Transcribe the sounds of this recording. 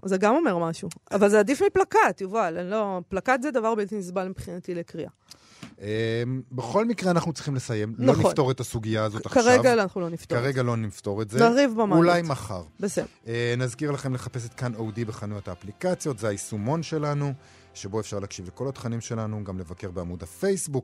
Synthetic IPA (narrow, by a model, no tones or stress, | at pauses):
zeɡamo̞me̞ʁmaʃuavalzeadifmiplakatjuvalenloplakat̪zed̪avaʁbilt̪inisbalmipχinat̪ilekʁiʔa | ʔembe̞χo̞lmikʁeanaχnut͡siχimle̞saje̞mlnaoχniffnt̪o̞ʁet̪asuɡijaːzotaχkaʃʁeavɡanaχnulo̞niftoaʁeɡalo̞nift̪o̞ʁetzeaʁivbamaulajmaχaʁbesedenazkiʁlaχe̞mleχapes̬e̞t̪kanowdibeχanujot̪aːplikat͡sjo̞t̪zeaisumo̞nʃe̞lanu | ʃe̞bo̞efʃaʁleaːkʃivle̞ko̞lat̪χanimʃe̞lanuɡamle̞vake̞ʁbeamudafe̞jsbuk